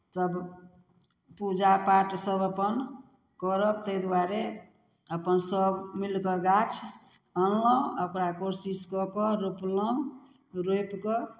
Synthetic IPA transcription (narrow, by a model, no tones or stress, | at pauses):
t̪əb | pud͡ʒapaʈsəbəpən | kɔɾək̚t̪əjd̪waɾe | əpənsəbmilkɔɡat͡ʃʰ | ənləəkɾakoɾsiskɔpɔɾuplɔ̃ | ɾojpkɔ